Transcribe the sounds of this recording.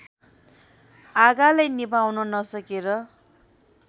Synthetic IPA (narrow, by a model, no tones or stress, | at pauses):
aɡalajnibawnʌnʌsʌkeɾʌ